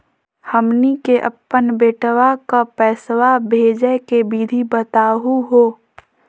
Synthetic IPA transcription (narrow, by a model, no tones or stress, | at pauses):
həmnikeʔə̰pːənbeːʈʋakapɛːswabʱeːd͡ʒəkebiːd̪ʱibət̪aːɦuɦoː